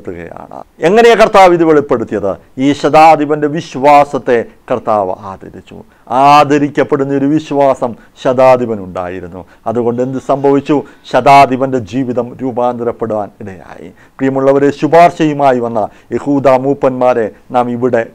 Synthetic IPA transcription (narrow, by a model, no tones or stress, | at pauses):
t̪ːuɣɐ̰ja̰ːɳɨ̰e̞ŋːɐnejekɐrt̪aːʋiðiʋeɭipːe̞ɽut̪ːijɐðɨ | iːɕɐd̪aːd̪iʋɐnde̞ʋiɕʋaːsɐt̪ːe̞kɐrt̪aːʋɐ̰aːd̪ʱɐ̰ɾit͡ɕːṵ | aːd̪ʱɐɾikʲːɐpːe̞ɽunːɐo̞ɾuʋiɕʋaːsɐm | ɕɐd̪aːd̪iʋɐnuɳɖa̰ːjiɾunːṵ | ɐðuɣo̞ɳɖend̪ɨsɐmbʱɐʋit͡ɕːu | ɕɐd̪aːd̪iʋɐnde̞d͡ʑiːʋiðɐmɾuːbaːnd̪iɾɐpːeɽuʋa̰ːniɽɐja̰ːjḭ | prijɐmuɭːɐʋɐɾeɕubaːrɕɐjumaːjiʋɐnːɐ | jehuːd̪aːmuːpːɐnmaːɾe̞naːmiʋiɽe̞